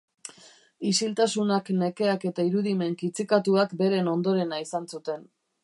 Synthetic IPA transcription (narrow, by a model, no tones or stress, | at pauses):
isilt̪asunakne̞ke̞ake̞t̪aiɾuðime̞ŋkit͡sikat̪uakbe̞ɾe̞no̞nd̪o̞ɾe̞naisansut̪e̞n